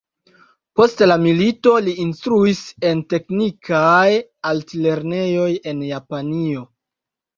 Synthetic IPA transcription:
po̞stlamilito̞liinstɾuise̞nte̞knikʰajaltle̞ɾne̞jo̞je̞njapanio̞

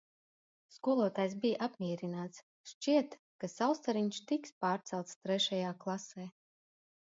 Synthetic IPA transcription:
skuɔlˠuɔːt̪aːjsbʲijʔapmʲiɛɾʲinaːt̪s | ʃt͡ʃiɛt̪ | kasawst̪aɾiɲʃt̪ikspaːɾt̪sɛlˠt̪st̪ɾɛʃajaːklˠasɛː

